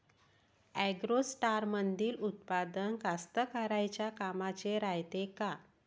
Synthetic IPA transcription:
ɛɡɾosʈaɾmənd̪iːlut̪̚pad̪ənkast̪əkaɾajt͡ɕjakamat͡ɕeɾajt̪eka

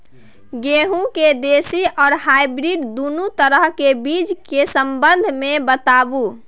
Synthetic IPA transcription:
ɡeɦũked̪esiɔːɾhaibɾiɖd̪unut̪əɾəɦkebiːd͡ʒkesəmbə̃nd̪ʱmẽbət̪abu

